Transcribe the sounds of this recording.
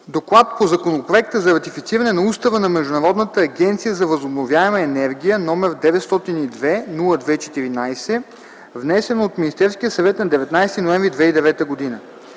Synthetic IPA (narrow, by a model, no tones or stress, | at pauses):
d̪oklˠat̪̚pozɐkonopɾoɛk̚t̪əzɐɾɐt̪ifit̪siɾɐnɛnɐust̪ɐvənɐmɛʒd̪ʊnɐɾɔd̪nət̪əːɡʲɛnt̪sijəzɐvəzobnovjaɛməɛnɛɾɡʲijənɔmɛɾd̪ɛvɛt̪st̪ɔt̪inid̪vɛnulˠəd̪vɛit͡ʃɛ̥t̪iɾinajsɛ | vnɛsɛnot̪minist̪ɛɾskijəsɐvɛt̪nɐd̪ɛvɛt̪najst̪inoɛ̃ɱvɾid̪vɛid̪ɛvɛt̪əɡod̪inə